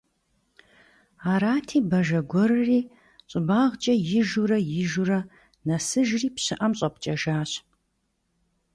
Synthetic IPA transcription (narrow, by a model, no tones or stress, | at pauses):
aːɾaːtʰiːbɐʒɐɡʷɔɾɨriː | ɕʼɪbaːʁt͡ʃʼɐjɪʒurɐjɪʒurɐ | nɐsɨʒriːpɕɪʔɐmɕʼɐp̚t͡ʃʼɐʒaːɕ